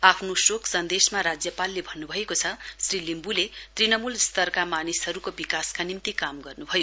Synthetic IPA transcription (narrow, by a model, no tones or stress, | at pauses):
apʰnosoksʌnd̪esmaɾad͡zjʌpalːebʱʌnːubʱʌekot͡sʰʌsrilimbulet̪rinʌmulst̪ʌrkamanisɦʌɾukobikaskanimt̪ikamɡʌrnubʱʌjo